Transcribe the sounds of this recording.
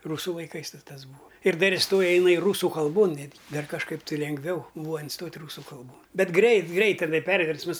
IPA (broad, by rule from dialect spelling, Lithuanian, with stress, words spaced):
ˈruːsʊ lˠɐɪˈkɐɪs ˈtɐs ˈbuːɐ ɪr ˈdɐr ɪsˈtoːjɛ ɪˈnɐɪ ˈruːsʊ kɐlˠˈboːn ˈnʲæːdʲɡʲɪ ˈdɐr kɐʃˈkɐɪp tɨ lʲɛŋɡˈʋʲɛʊ ˈbuːʋɐ ɪnˈstoːtʲ ˈruːsʊ kɐlˠˈboːn ˈbʲɛt ˈɡrʲɛɪt ˈɡrʲɛɪt tʲɛˈnɐɪ ˈpʲɛrʲʋʲɛrsmɐs